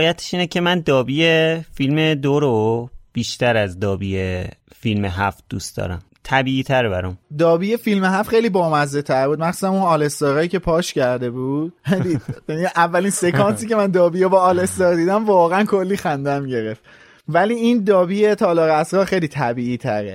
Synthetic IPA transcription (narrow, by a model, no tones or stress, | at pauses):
jæt̪ʰe̥ʃiːnecʰe̞mænd̪ɒːbijefilmed̪oɾob̥iːʃt̪æɾæzd̪ɒːbiːje | filmeɦæf̚d̪̥ṵst̪d̪ɒ̰ːɾæ̰m | t̪ʰæbiːiːt̪ʰæɾbæɾɒmd̪ɒːbiːjefilmeɦæft̪χejliːbɒːmæzdet̪ʰæɾbuːd̪̚mænxsusæmunɒːle̞st̪ɒɾɒːjiːce̞pʰɒːʃcæɾd̪e̞buːd̪̥̚d̪id̪jæniʔævːælinse̞kʰɒːnsiːce̞mænd̪ɒːbijebɒːle̞st̪ɒɾd̪iːd̪æmvɒːɣeænkʰo̞lːiːxænd̪æmɟe̞ɾe̞ft̪ | væliːind̪ɒːbiːjet̪ʰɒːlɒːɣeæsɾɒːɾxejliːt̪ʰæbiːʔiːt̪ʰæɾe